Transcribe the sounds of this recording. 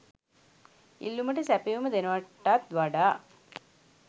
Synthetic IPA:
ḭlːuməʈəsæpeuməd̪enəʋaʈːat̪ʋaɖaː

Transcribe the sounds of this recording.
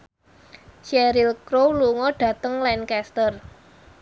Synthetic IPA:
ʃɛɾilkɾowluŋɔɖ̥ä̤t̪əŋlɛnkɛst̪ər

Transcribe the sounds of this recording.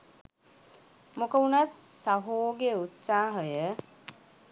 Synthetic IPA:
mokəunat̪saɦoːɡeut̪saːɦəjə

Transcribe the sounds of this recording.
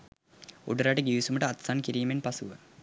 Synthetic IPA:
ṵɖəɾaʈəɡiʋisuməʈəɐt̪sankiɾiːmenpasuʋə

